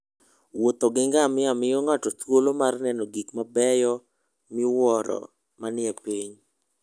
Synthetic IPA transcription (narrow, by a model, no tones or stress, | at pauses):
wot̪ɔɡɪŋɡamɪamɪɔŋatɔt̪wolomarnɛnɔɡikmabɛjɔ | mɪwɔɾɔ̰ | manɪɛpiɲ